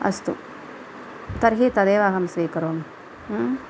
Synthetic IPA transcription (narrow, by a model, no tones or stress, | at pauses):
ɐ̰st̪ṵ | t̪ɐɾɦiːt̪ɐd̪eːʋaːɦɐmsʋiːkɐɾoːmː